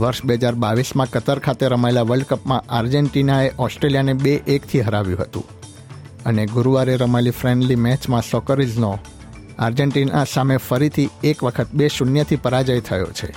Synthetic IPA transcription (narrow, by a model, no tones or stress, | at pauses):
ʋəɾʃbeɦəd͡ʒaɾbaʋismãkət̪əɾkʰat̪eɾəmaelaʋəɭɖkəpmãʔaɾd͡ʒeɳʈinaeʔɔsʈɾeljanebeʔːkt̪ʰiɦəɾaʋjṵ̃ɦət̪ṵ̃ | əneɡuɾuʋaɾeɾəmaelifɾɛɳɖlimɛt͡ʃmãsɔkəɾizno | aɾd͡ʒeɳʈinasamefəɾit̪ʰiekʋəkʰət̪̚beʃunjət̪ʰipəɾad͡ʒəjt̪ʰəjo̰t͡ʃʰḛ